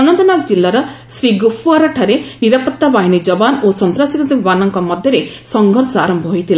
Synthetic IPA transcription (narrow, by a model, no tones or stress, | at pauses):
ɔnɔnt̪ɔnakd͡ʒilːaɾɔ | sɾiɡufʰuaɾɔʈʰaɾeniɾapɔt̪ːabaɦinid͡ʒɔbanosɔnt̪ɾasikɔd̪ibibanɔŋkɔmɔd̪ʱjɔɾe | sɔŋɡʱɔɾsɔaɾɔmbɔɦojt̪ʰila